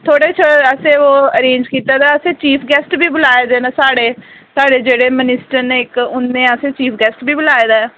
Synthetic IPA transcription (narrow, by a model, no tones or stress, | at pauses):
t̪ʰoːɽeːt͡ʃʰoəsẽːoːəɾẽːnd͡ʒkiːt̪aːd̪aːəsẽːt͡ʃiːpʰɡɛːsʈbiːbʊlaːeːd̪eːnaːsaːɽeː | saːɽeːd͡ʒeːɽeːmənɪsʈəɾneːɪkʊnːẽːəsẽːt͡ʃiːpʰɡɛːsʈbiːbʊlaːeːd̪aːɛː